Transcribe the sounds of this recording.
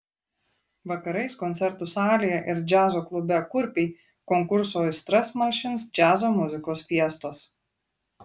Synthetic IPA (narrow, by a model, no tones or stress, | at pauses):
ʋɐkɐɾɐɪskɔnt̪sʲɛɾt̪ʊsɑːlʲijɛʔɪɾd͡ʒʲæːzoːklˠʊbʲɛkʊɾʲpʲiː | kɔŋkʊɾsoːjsʲt̪ʲɾɛsmɐlʲʃʲɪnsd͡ʒʲæːzoːmʊzʲɪkoːsfʲiɛst̪oːs